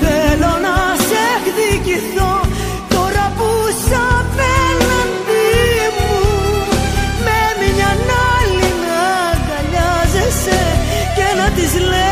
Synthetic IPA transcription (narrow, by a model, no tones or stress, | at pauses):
θelo̞nɐsekðiciθo | t̪oɾɐpusɐpenɐndimu | memiɲɐnɐlinɐ | dɐʎɐ | zese | cenɐt̪izle